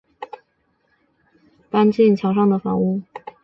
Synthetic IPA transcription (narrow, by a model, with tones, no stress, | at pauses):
t̪a˥nt͡ɕi˥˩nt͡ɕʰjɑ˧˥ʊʂɑ˥˩ŋd̪ə˩fɑ̰˧˥ŋu˥˩